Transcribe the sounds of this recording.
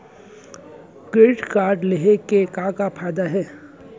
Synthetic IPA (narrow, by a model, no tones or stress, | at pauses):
keʈkaːɾɖleɦekekãkapʰaːɪd̪aɦɛː